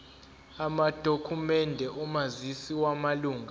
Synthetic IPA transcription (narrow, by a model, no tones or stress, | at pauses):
amad̥ʱokʰumɛndʱɛʔumazisiwamaluːŋɡʱa